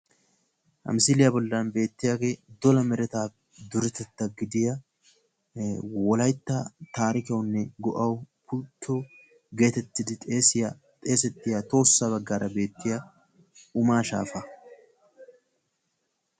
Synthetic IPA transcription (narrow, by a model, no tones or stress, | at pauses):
ʔɐ̰mɪsɪlɪjɐbɔlːɐːnbe̞ːt̪ːɪjaɡeːd̪ɔlɐmɛɾɛt̪aː | d̪ʊɾɛt̪ɛt̪ːɐɡɪd̪ɪjɐ | wɔlɐjt̪ːɐt̪aːɾɪkɐwnːɛɡɔʔɐwpʊt̪ʰːo | ɡe̞ːt̪ɛt̪ːɪd̪ɪt̪ʼeːsɪjɐ | t̪ʼe̞ːsɛt̪ːɪjɐt̪o̞ːsːaβɐɡːaːɾɐbe̞ːt̪ːɪjɐ | ʊmaːʃa̰ːfɐ